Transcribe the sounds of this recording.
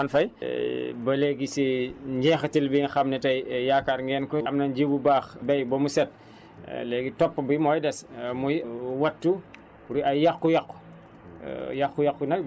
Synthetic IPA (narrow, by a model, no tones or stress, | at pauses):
ɐnfɐj | bɐlɛːɡisiɲɟɛːxɐtilbiŋxɐmnɛtɐjjaːkːaɾŋɡɛːnkɔɐmnɐnd͡ʒibubaːxbɛjbɔmusɛt̚ | lɛːɡitɔpːbimɔːjdɛsmujwɐtːu | ɾiɐjjakːujɐkːu̥̰ | jaxujɐkːunɐk̚